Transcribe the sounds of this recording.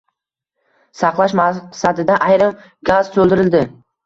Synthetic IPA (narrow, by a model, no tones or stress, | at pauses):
sɑqlˠaʃmasad̪ɪd̪aʔajɾɪm | ɡazt̪ʰolˠd̪ɪɾɪld̪ɪ